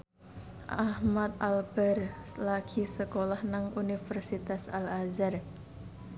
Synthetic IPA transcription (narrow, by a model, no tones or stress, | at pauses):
ʔahmat̪̚alb̥ɛrlakʰisəkolahnaŋunifərsit̪asalazar